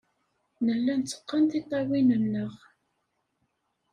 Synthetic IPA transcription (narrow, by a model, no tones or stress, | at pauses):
nəlːænt͡sːə̥qːənt̪it̪ˤːɑwinənːəʁ